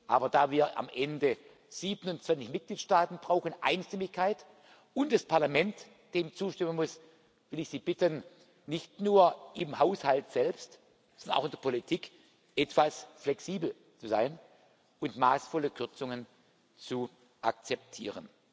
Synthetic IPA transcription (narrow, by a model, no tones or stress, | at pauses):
ʔaːbɐdaːviːɐʔa̰mʔɛndə | z̥iːbənʊnt͡sv̥ant͡sɪçmɪt̚ɡ̥liːtʃtaːtn̩b̥ʁaʊxənʔa̰ɪnʃtɪmɪçkʰaɪt | ʊntd̥aspʰaɐlamɛnt | d̥eːmt͡suːʃtɪmənmʊs | vɪlɪçz̥iːbɪtən | nɪçtnuːɐʔɪmhaʊshaltz̥ɛlpst | sɔndɐnʔaʊxɪnd̥ɛɐpʰolitʰiːk | ʔɛtv̥asflɛksiːbl̩ | t͡suzaɪn | ʊntmaːsfɔləkʰʏɐt͡sʊŋən | t͡su | ʔa̰k̚t͡sɛp̚tʰiːʁən